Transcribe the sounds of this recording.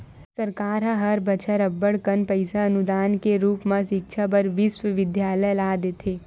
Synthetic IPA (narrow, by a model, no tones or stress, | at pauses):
sɐɾkaːɾɦə̃ɦɐɾbət͡ʃʰəɾəbːəɽkənpəɪsaɐnud̪aːnkeɾuːpmãʃɪk̚t͡ʃʰabəɾʋɪsʋəʋɪd̪jaːləlaːd̪eːt̪ʰeː